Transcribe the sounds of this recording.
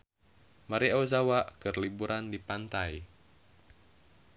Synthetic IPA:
maɾiawzawaʔkɨrlibuɾʔandipant̪aj

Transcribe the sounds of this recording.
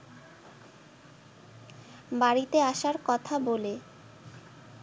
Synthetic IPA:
baɽit̪eaʃaɾkɔt̪ʰabole

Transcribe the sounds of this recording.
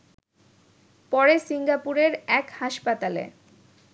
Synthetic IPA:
pɔɾesiŋɡapuɾeɾɛkhaʃpat̪alḛ

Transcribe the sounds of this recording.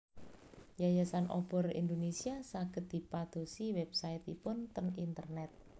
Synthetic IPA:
jajasanʔɔ̰b̥ɔ̤rḭnd̪onesiasaɡ̥ə̤t̪̚d̪̥i̤pad̪̥o̤siwɛb̥saɪt̪ipʊnt̪ənint̪ə̰rnɛt̪̚

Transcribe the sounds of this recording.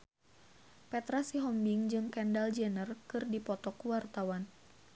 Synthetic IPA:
pɛt̪ɾasiɦɔmbiŋd͡ʒɨŋkɛndald͡ʒɛnərkɨrdipɔt̪ɔkuwart̪awan

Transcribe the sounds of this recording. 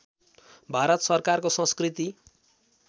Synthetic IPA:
bʱaɾʌt̪sʌrkarkosʌ̃skrit̪i

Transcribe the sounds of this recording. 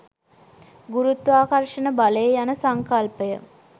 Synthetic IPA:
ɡuɾut̪ʋaːkarʂənəbaləjejanəsaŋkalpəjə

